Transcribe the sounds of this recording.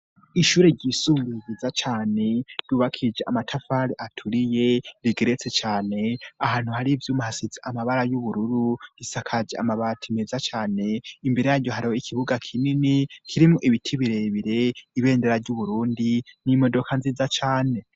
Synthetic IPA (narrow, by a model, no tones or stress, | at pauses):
iʃuːɾeɾɟisumbiizat͡ʃaːne̞d̥uːβakʰid͡ʒeʔamatʰafaɾiʔatʰuɾije̞ɾiɡe̞ɾet͡se̞t͡ʃaːne̞ahaːn̥huhaɾivjuːmuhasiziʔamaβaɾajuβuɾuɾuɡisakʰad͡ʒea̰maβatʰimezat͡ʃaːne̞imbe̞ɾejaɾɟo̞ɦaɾihoikʰiβuɡakʰininikʰiɾimuʔiβitʰiβiɾe̞βiɾe̞iβe̞ːndeɾaɾɟuβuɾuːndinimo̞do̞kʰanziːzat͡ʃaːne̞